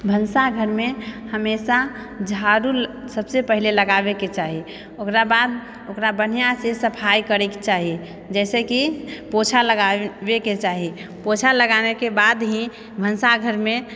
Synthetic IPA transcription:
bʱənsaɡʱəɾmẽhəmesa | d͡ʒʱaɾulsəbsepəɦileləɡabeket͡ʃaːɦi | okɾabaːd̪ | okɾabən̤ijasesəpʰajkəɾekt͡ʃaːɦi | d͡ʒɛːsekipot͡ʃʰaləɡabeket͡ʃaːɦipot͡ʃʰaləɡanekebad̪ɦĩ | bʱənsaɡʱəɾmẽ

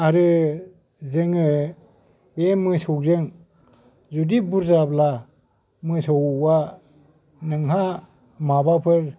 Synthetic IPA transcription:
aɾɯ | zɯŋɯ | bemɯsɔwzɯŋ | zudibuɾzabla | mɯsɔwwa | nɯŋɦa | mabapʰɯɾ

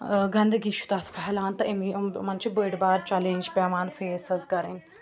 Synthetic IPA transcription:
ɡɐnd̪ɡiːʃu̥t̪at̪ʰpʰɐɦlaːnt̪ɐʔimimɐnt͡ʃʰibəːɖbaːɾt͡ʃɛlẽnʲd͡ʒpʲɛːmaːnfeːsɐzkɐɾen

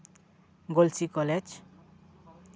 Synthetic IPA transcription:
ɡolsikɔled͡ʒ

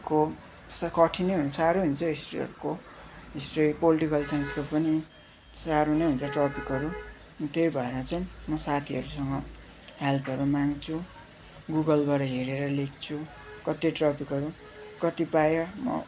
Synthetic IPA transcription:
ko | skʌʈʰinejɦunsaɾoɦunt͡sʰʌisʈrḭɦʌ̰ɾuko | ɦesʈripoliʈikʌlsanskepʌni | saɾonejɦunt͡sʰʌʈrɔpikɦʌɾu | t̪ejbʱʌemʌt͡sajmʌsat̪ʰiʌɾusʌŋɡʌ | helpʰʌɾumaŋt͡sʰu | ɡuɡʌlbaɾʌɦeɾeɾʌlekʰt͡sʰu | kʌt̪iʈrʌpikʌɾu | kʌt̪ipajʌmʌ̰

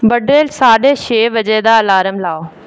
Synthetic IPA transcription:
bɐɖɾeːlsaːɗeʃeːʋɐd͡ʑeːd̪alaːɾəmlaːo

